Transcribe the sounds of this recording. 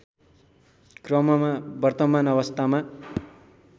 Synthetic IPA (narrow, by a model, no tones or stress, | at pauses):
krʌmʌmabʌrt̪ʌmanʌβʌst̪ʰama